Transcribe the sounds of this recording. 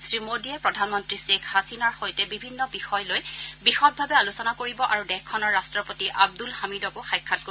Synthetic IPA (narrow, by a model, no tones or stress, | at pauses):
sɹimodiɛpɹɔdʱanmɔntɹisekʰhasinaɹxojtɛbibʱinːɔbixɔjlojbixɔt̚bʱabɛalusɔnakoɹibɔʔaɹudɛxkʰːɔnɔɹːastɹɔpotiʔab̚dulhamidɔkʊxajkʰːat̚ko